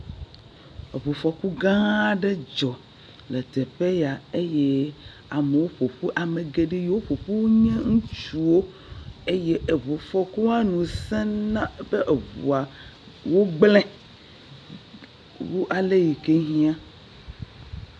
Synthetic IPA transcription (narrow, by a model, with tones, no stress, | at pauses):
e˨βo˨fɔ˨ku˦ɡã˦ɖe˦d͡ʒɔ˨ | le˨t̪e˨ɸe˦ja˨e˦je˦ | a˨me˨wo˦ɸo˨ɸu˦ʔa˨me˨ɡe˨ɖi˦jwo˦ɸo˨ɸu˦wɲẽ˦ŋũ˦t͡ʃu˨wo˦ | e˦je˦ʔe˨βo˨fɔ˨ku˦a˦nũ˨sɛ̃˦nã˦be˦ʔe˨βṵ˨a˨ | wo˦ɡ͡blɛ̃˦ | wu˦ʔa˨le˦ji˨ke˦ɦĩ˦ã˦